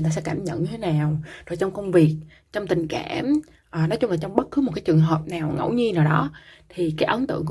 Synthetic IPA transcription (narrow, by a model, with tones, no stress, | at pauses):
t̪aː˧˩sɛ̰˧˥kaː˧˩mɲə̰˧˨nɲɨ˧t̪ʰe˨˦naː˨˩wzo˨˩jt͡ɕɔ˧wŋ͡mkə˧wŋ͡mvi˨˩ək̚ | t͡ɕɔ˧wŋ͡mt̪ï˨˩ŋ̟ka̰ː˧˩m | ʔəː˨˩nɔ˨˦jt͡ɕʊ˧ŋ͡mla˨˩t͡ɕɔ˧wŋ͡mɓə˦˥t̚kɨ˨˦mo˨˩t̚kaː˨˦t͡ɕɨ˨˩əŋɦəː˨˩p̚naː˨˩wŋə̰˧˩wɲi˧naː˨˩wɗɔ˨˦t̪ʰi˨˩kaː˨˦jʔə˨˦nt̪ɨ̰˧˨əŋk